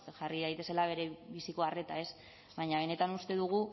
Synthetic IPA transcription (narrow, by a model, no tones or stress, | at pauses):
ʝariðajt̪e̞se̞laβ̞e̞ɾe̞βisikoare̞t̪ae̞s | βajɲaβ̞e̞ne̞t̪anust̪e̞ðuɣ̞u